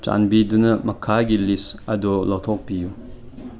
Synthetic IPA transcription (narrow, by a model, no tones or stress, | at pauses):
t͡ʃa̰nbidunɐmɐkʰaɡilisɐdɔlɔt̪ʰɔk̚piju